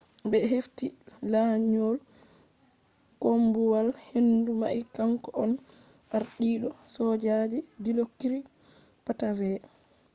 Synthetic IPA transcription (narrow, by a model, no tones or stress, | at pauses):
bɛɦeftilaːɲol | kombuwalhenduma̰ʔikaŋkɔʔɔn | ʔaɾɗiːɗɔsɔd͡ʒad͡ʒidilokːiɾi | patavɛ